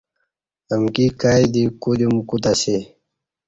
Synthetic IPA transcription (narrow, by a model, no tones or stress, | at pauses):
əmkikajd̪ikud̪umkut̪aɕe